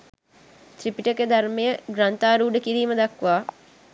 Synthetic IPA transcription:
t̪ɾipiʈəked̪armejəɡɾant̪aːɾuːɖəkiɾiːməd̪akʋaː

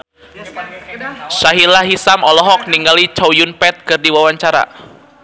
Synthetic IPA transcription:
ʃaɦilaɦisamɔlɔɦɔk̚niŋɡalit͡ʃaujunpɛt̪̚kɨrdiwawaɲt͡ʃaɾa̰

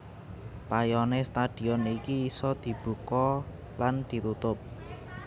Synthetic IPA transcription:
pajɔnest̪ad̪̥i̤ɔnikiːsɔd̪̥i̤b̥ṳkɔ | land̪̥i̤t̪ut̪ʊp̚

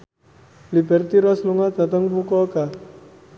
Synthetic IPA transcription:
libɛrt̪iɾɔsluŋad̪at̪əŋpukɔka

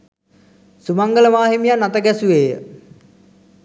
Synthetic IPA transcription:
sumaŋɡələʋaːɦimijanːat̪əɡæsuʋeːjə̰

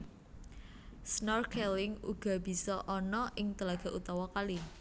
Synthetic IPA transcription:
snɔrkʰɛlɪŋuɡ̥a̤b̥i̤sɔʔɔnɔʔɪŋt̪əlaɡ̥a̤ʔut̪ɔwɔkali

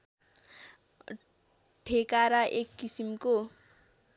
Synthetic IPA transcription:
ʈʰekaɾʌʔekːisimko

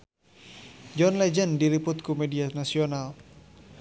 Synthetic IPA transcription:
d͡ʒɔnlɛd͡ʒəndiɾipʊt̪̚kumedianasional

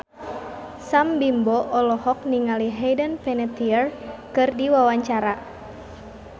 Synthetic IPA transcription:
sambimbɔʔɔlɔhɔk̚niŋaliɦɛjdənpɛnɛt̪iərkɨrdiwawaɲt͡ʃaɾa

